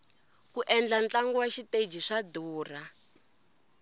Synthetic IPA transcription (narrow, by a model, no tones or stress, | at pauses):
kuʔɛnd͡ɮant͡ɬaŋɡuwaʃited͡ʒiʂaduːra